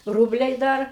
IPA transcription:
ˈruːbʲlʲɛɪ ˈdɐr

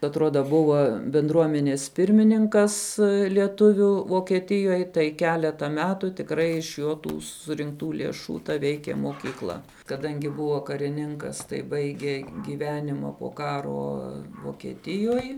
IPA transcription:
ɐtˈruɔdɐ ˈbʊʋɐ bʲɪnˈdruɔmʲɛnʲeːs ˈpʲɪrʲmʲɪnʲɪŋkɐs lʲiɛˈtʊʋʲuː ʋoːkʲiɛˈtʲɪjoːj tɐɪ ˈkʲæːlʲɛtɐ ˈmʲæːtuː tʲɪkˈrɐɪ ɪʃ ˈjoː ˈtuː sʊrʲɪŋkˈtuː lʲeːˈʃuː tɐ ˈʋʲɛɪkʲeː moːkʲiːˈklˠɐ kɐˈdɐŋʲɡʲɪ ˈbʊʋoː kɐrʲɪˈnʲɪŋkɐs tɐɪ ˈbɐɪɡʲeː ˈɡʲiːʋʲɛnʲɪmɐ poː ˈkɑːroː ʋoːkʲiɛˈtʲɪjoːj

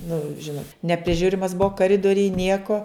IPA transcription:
nʊ ˈʒʲɪnoːt nʲɛpʲrʲɪˈʒʲʊrʲɪmɐs ˈbʊʋoː kɐˈrʲɪdoːrʲɪj ˈnʲiɛkoː

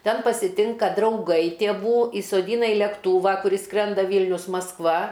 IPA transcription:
ˈtʲɛn pɐsʲɪˈtʲɪŋkɐ drɐʊˈɡɐɪ tʲeːˈʋuː iːsoːˈdʲiːnɐ ɪ lʲɛkˈtuːʋɐ kʊˈrʲɪs ˈskrʲɛndɐ ˈʋʲiːlʲnʲʊs mɐsˈkʋɐ

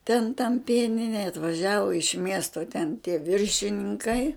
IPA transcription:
tʲɛn tɐm ˈpʲiɛnʲɪnʲɛj ɐtʋɐˈʒʲæːʋʊ ɪʃ ˈmʲiɛstoː tʲɛn tʲiɛ ˈʋʲɪrʲʃʲɪnʲɪŋˈkɐɪ

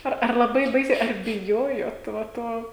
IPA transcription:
ˈɐr ɐr lˠɐˈbɐɪ ˈbɐɪsʲɛɪ ɐr bʲɪˈjoːjoːt ʋɐ ˈtoː

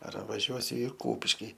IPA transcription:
ɐr ʋɐˈʒʲuɔsʲʊ ɪ ˈkuːpʲɪʃʲkʲɪ

